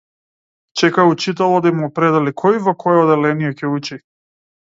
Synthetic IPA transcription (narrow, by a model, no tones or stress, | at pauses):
t͡ʃɛkaut͡ʃit̪ɛlˠɔd̪aimɔpɾɛd̪ɛlikʰɔjivɔkʰɔjɛɔd̪ɛlɛnijɛcɛut͡ʃi